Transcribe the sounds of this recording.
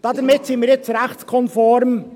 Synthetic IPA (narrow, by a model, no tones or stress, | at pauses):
d̥ɑd̪əɾmɪtsinmiːɾjɛt͡sɾæχtskʰɔnfɔɾm